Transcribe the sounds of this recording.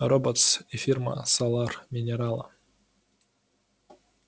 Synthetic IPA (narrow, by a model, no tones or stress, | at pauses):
robot̪sifʲirmə̰salˠɑrmʲinʲeɾalˠɐ̰